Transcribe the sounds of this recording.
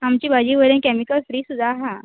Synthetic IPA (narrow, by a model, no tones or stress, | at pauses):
amt͡ɕiːbʱad͡ʑiːʋəɾənkɛmikəlfɾiːsud̪ʱaɦa